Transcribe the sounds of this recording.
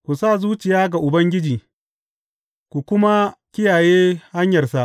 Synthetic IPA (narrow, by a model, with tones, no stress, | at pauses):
kʷu˨sa˦˨zuː˦t͡ʃɪ˨jaː˦ɡa˨ʔʊ˨bɐ˦ŋɡʲɪ˦d͡ʒiː˨ | kʷu˨kʷʊ˦ma˦kʲɪ˦jaː˨jeː˦ha˦ɲjɐ˨rsa˦ʔ